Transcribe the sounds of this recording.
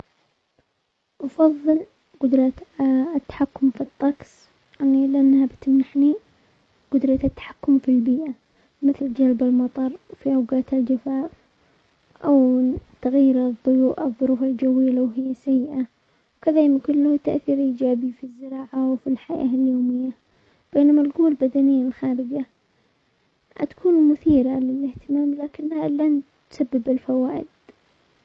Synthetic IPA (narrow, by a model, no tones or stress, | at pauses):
ʔɑfɑðˤːɨl | qʊd̪ɾˤɑ | t̪ːḁħakːʊmfit̪ˤːɑɡsˤ | ʔanilɪʔanːhabt̪ɪmnaħni | ɡʊd̪ɾˤɑt̪ɪt̪ːḁħḁkːʊmfilbiːʔa | mɪθld͡ʒalbalmɑt̪ˤɑɾˤfiʔawɡaːt̪ɪld͡ʒafaːf | ʔawt̪aɣajɪɾðˤːʊjuːʔɪðˤːʊɾuːfald͡ʒawɪjːalawɦɪjːasajːɪʔa | wkaðaːmkʊlːht̪aʔθiːɾʔiːd͡ʒaːbifizːɪɾɑːʕawfilħaja̰ljoːmɪjːa | b̥eːnamalɡuːlbad̪anɪjːalxaːɾɪd͡ʒa | a̰t̪ḁkʰuːnmʊθiːɾalɪlɪht̪ɪmaːmlaːkɪnːhalant̪sabːɪbɪlfawaːʔɪd̪̚